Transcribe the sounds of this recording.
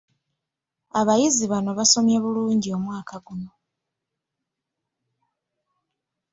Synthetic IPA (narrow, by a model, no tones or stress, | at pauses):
aβajiziβano̞βaso̞mjaβuluːɲɟio̞mwaːkʰaɡuno̞